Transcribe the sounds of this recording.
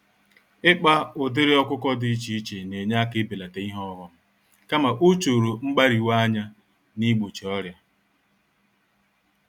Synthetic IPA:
ɪ˦k͡pa˦ʊ˨dɪ˦ɾɪ˦ɔ˦kʷʊ˦kɔ˦dɪ˦i˦t͡ʃi˦i˦t͡ʃe˨ne˨ɲa˦kɪ˦be˨la˨te˨i˦ɦɔ˦ɾɔ˦m̩˦ | ka˦ma˨ʔo˦t͡ʃo˨ɾo˨ŋ͡m̩˦ɡ͡ba˦ɾi˨wa˦a˦ɲa˦ | ni˦ɡ͡bo˨t͡ʃi˨ɔ˦ɾja˦

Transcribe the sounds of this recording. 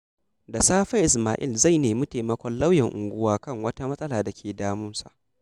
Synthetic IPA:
da˨saː˦ɸɐ˦ʔɪ˨s̬maː˨ʔɪ̰˦˨lza˦˨jneː˨mʊ˦teː˨mɐ˦kʷɔ˦nla˦wjɛ˨ŋʔʊ̰˨ŋɡʷʊ˦waː˦kɐ˦˨ŋwɐ˦ta˦mɐ˦sʼɐ˦laː˨da˨kʲʰeː˨daː˦mʊ˦nsa̰˨ʔ

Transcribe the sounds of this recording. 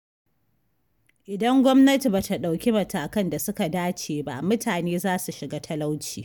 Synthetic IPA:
ʔɪ˨dɐ˦ŋɡʷɔ˦mnɐ˦ti˨ba˨ta˨ɗa˨wkʲi˦mɐ˨taː˨kɐ˦nda˨sʊ˦ka˨daː˦t͡ʃeː˨ba̰˦mʊ˦tʰaː˨neː˦zaː˦su˨ʃɪ˨ɡaː˦tʰɐ˦la˦wt͡ʃiː˨

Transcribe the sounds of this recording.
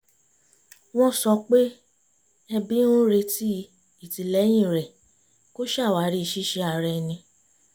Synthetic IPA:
w̃ɔ̃˦sɔ˧k͡pe˦ | ɛ˧bĩ˦n˦o˦ɾe˧ti˦ | i˦˨ti˨lɛ˨˦j̃ĩ˦˨ɾɛ˨ | ko˦ʃa˦˨wa˨˦ɾi˧˦˧ʃi˦ʃe˧a˨ɾɛ˧nĩ˧

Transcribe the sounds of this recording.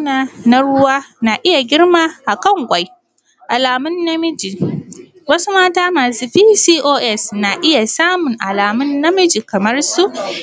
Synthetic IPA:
naː˦na˦ɽʊ˦waː˦na˨ʔɪ˦ja˨ɡʲɪ˦rma˦ʔa˨kɐ˦˨ŋkʷʼa˨˦j | ʔa˨laː˨mʊ˦nːa˦mɪ˦d͡ʒi˨ | wɐ˦su˦maː˦taː˦maː˨suː˦ɸiː˦siː˦ʔoː˦ʔɛ˦˨sna˨ʔɪ˦ja˨saː˦mʊ˨ŋʔa˨laː˨mʊ˦nːa˦mɪ˦d͡ʒi˨kɐ˨mɐ˦rsu˦ʔ

